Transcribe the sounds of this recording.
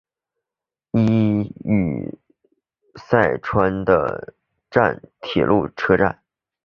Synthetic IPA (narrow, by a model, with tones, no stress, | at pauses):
i˥y̰˨˩ | sa˥˩ɪʈ͡ʂʰwa˥nd̪ə̰˧ | ʈ͡ʂa̰˥˩nt̪ʰḭ˨˩lʔu˥˩ʈ͡ʂʰɤ˥ʈ͡ʂa̰˥˩n